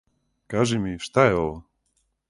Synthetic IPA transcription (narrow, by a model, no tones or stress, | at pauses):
kaʒimiʃt̪ajɔl